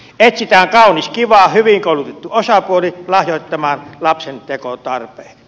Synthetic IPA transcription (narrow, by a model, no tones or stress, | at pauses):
et̪sit̪æːŋkɑˑuniskiʋɑˑhyʋiŋkoˑulut̪et̪ːuosɑpuolilɑhjoˑit̪ːɑmɑːnlɑpsent̪ekot̪ɑrpeːk